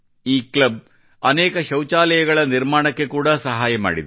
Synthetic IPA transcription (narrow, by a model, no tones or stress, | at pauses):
iːklɐb̚ | ɐnɛːkɐʃɐwt͡ʃaːlɐjɐɡɐɭɐniɾmaːɳɐkːe̞kuːɽɐsɐɦaːjɐma̰ːɽḭd̪